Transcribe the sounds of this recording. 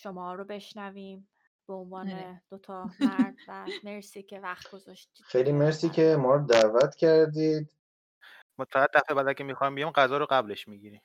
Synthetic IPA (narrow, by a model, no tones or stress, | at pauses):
ʃomɒːɾobe̞ʃnæviːm | b̥eonvɒːned̪̥ot̪ʰɒmæɾd̪væmeɾsiːcʲʰevæxt̪ɡ̥ozɒʃt̪ixejliːmeɾsiːcʰemɒːɾod̪ævæt̪ʰcʰæɾd̪iːd̪ | mot̪fæɣed̪ːæfebæd̪ækemixɒjmbijimɢæzɒːɾoɢæble̞ʃmiːɟiːɾiːmm